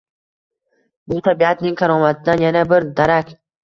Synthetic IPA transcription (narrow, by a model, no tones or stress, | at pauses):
bʊt̪ʰabiat̪nɪŋkʰaɾɒːmat̪ʰɪd̪anjanabɪɾd̪aɾakʲ